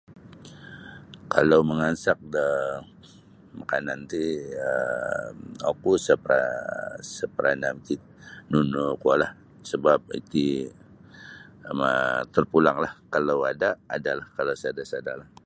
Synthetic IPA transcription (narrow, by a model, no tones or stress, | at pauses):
kalawməŋansak̚də | makanant̪iəmokusəpɾa̰səpəɾʔanamkit̪̚nunokalah | səbap̚ḭt̪i | ama̰t̪ərpulaŋlahkalawada̰ːdalahkalasadasadalah